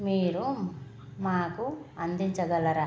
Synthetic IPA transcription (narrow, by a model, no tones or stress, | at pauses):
miːɾu | maːkuɐnd̪iɲt͡ʃɐɡɐlɐɾaː